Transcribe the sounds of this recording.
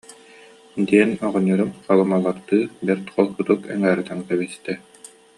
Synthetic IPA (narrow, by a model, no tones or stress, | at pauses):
d̪iɛnɔʁɔnːuɾumχalˠɯmalˠːaɾt̪ɯːbɛɾt̪qʰɔlˠkut̪ukɛ̰ŋæːɾt̪aŋkɛbist̪ɛ